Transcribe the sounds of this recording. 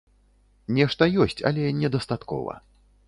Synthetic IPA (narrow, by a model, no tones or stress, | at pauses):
nʲɛʂt̪ɐjɔsʲt͡sʲɐ̰lʲɛnʲɛd̪ɐst̪at̪kɔ̰vɐ̰